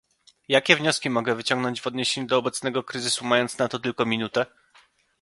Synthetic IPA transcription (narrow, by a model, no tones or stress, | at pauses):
jakʲɛvɲɔskʲimɔɡɛvɘt͡ɕɔ̃ŋɡnɔɲd͡ʑvɔd̪ɲeɕeɲud̪ɔːbɛt̪snɛɡɔkɾɘzɘsumajɔnt̪snat̪ɔt̪ɘlkɔmʲinut̪ɛ